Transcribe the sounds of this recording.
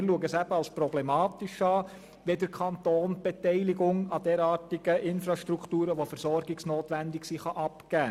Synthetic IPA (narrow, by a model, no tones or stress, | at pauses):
ɪɾluəɡəsæb̥əɑlspɾɔblɛmɑːt̪ɪʃɑː | ʋedəɾkʰɑnt̪oːnb̥ɛtɛɪlɪɡʊŋɑd̥ɛːɾɑːɾtiɡəʔɪnfɾɑʃtɾukʰtuːɾəʋofɛɾsɔɾɡɪksnoːtʋændɪksiχɑʔɑpkæː